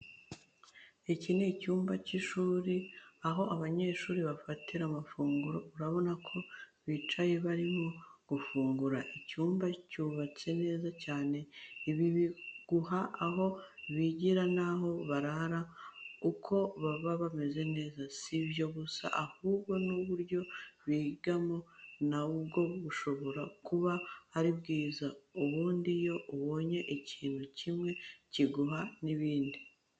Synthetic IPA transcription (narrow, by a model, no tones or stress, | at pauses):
icinecuːmbaciʃuːɾiaɦo̞ʔaβaɲe̞ʃuːɾiβafatʰiɾamafuːŋɡuɾo̞uɾaβo̞nakʰo̞βit͡ʃaje̞βaɾimo̞ɡ̥ufuːŋɡuɾaʔicuːmbacuːβat͡se̞ne̞ːzacaːne̞iβiβiɡ̥uhaːɦo̞βiɟiɾanaɦo̞βaɾaɾaukʰo̞βaβaβame̞ze̞ne̞ːzasiβjo̞βusa̰ʔahuːbɡo̞nuβuɾɟo̞βiːɡamo̞naubɡo̞βuʃo̞βo̞ɾakuβahːɾibɡiːzauβuːndijo̞ʔuβo̞ːɲe̞ʔiciːn̥hucimŋe̞ciɡuɦaniβiːndi